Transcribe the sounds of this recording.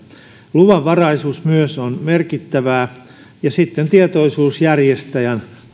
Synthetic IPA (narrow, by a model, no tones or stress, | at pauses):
luʋɑʋʋɑrɑisuːsmyøsonmerkit̪ːæʋæː | jɑsit̪ːent̪iet̪oisuːsjærjest̪æjæn